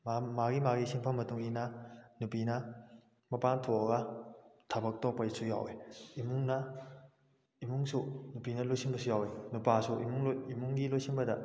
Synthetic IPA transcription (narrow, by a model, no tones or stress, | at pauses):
mamaɡimaɡisiŋpʰamɐtuŋinɐnupinɐ | mɐpantʰoɐɡɐtʰabɐk̚topɐisuja̰weimuŋnɐ | imuŋsunupinɐlojsiŋbɐsujawenupasuʔimuŋimuŋɡilojsiŋbɐdɐ̰